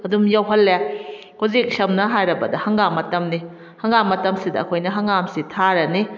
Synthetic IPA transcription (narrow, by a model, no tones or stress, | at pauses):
ɐdumjawɦɐlːe | kozik̚sɐmnɐɦajɾɐbɐdɐhɐŋɡamɐtɐmni | hɐŋɡamɐtɐmsidɐɐkʰojnɐɦɐŋɡamsitʰaɾɐni